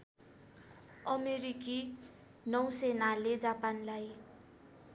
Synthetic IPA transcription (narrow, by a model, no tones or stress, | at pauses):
ʌmeɾiki | nʌwsenaled͡zapanlaj